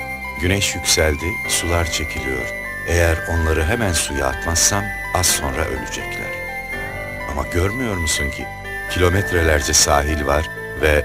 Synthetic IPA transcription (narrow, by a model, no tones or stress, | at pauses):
ɟynɛʃjycʲsælʲd̪i | sulˠaɾt͡ʃʰe̞cʰilʲijo̞̰ɾ̥ | ejæɾo̞nlˠaɾɯɦemænsuja̰ːt̪masːan | asso̞nɾa̰ʔø̰lʲyd͡ʒɛclʲæ̰ɾ̥ | ama̰ɟøɾmyjo̞ɾmusuɲcʰi | cʰilʲo̞mɛt̪ʰɾelʲæɾd͡ʒɛsaːɦilʲvaɾ̥ | vɛ